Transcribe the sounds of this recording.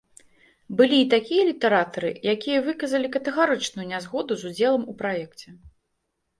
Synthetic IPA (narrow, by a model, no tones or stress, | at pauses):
bɨlʲiːt̪akʲijɐlʲit̪ɛɾat̪ɐɾɨ̰jakʲijɐvɨkɐzɐlʲikɐt̪ɛɣaɾɨt͡ʂnujunʲazɣɔd̪uzud͡zʲɛlˠɐmupɾajɛkt͡sʲɛ